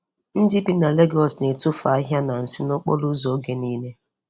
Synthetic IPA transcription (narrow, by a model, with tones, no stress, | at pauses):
n̩˦dɪ˦bi˦na˨le˦ɡɔ˨sne˨tʊ˦fa˨a˦ɦja˦na˨n̩˨si˦no˦k͡pɔ˦lu˦zɔ˨˦ɡe˨niː˦ne˦